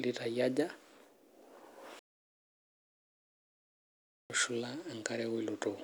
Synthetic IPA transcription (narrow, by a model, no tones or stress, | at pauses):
litajaɟa | uʃulaəŋkaɾɛwiluto